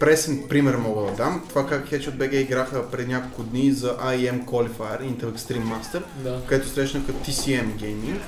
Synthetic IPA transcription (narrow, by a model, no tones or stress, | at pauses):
pɾɛsinpɾimɛɾmɔɡəd̪ɐd̪amt̪ovakakxʲɛt͡ʃɛod̪bɛɡɛiɡɾaxəpɾɛd̪inʲakolˠkʊd̪nizɐʔaiɛmkwolifajəɾint̪ɛlɛkst̪ɾimːast̪ɛɾakɐɛt̪osɾɛʃnəkɐt̪isiɛmɡɛjmiŋk